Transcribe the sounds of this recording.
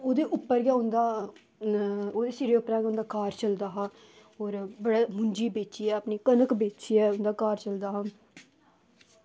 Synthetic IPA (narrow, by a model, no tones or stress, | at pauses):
oːd̪eːʔʊpːəɾɡɛːʊnd̪aː | oːd̪eːsiɾeːʊpɾaːɡɛːʊnd̪aːkaːɾt͡ʃəld̪aːɦaː | oːɾbəɽaːmʊɲd͡ʒiːbeːt͡ʃiːɛːəpniːkənəkbeːt͡ʃiːɛːʊnd̪aːkaːɾt͡ʃəld̪aːɦãː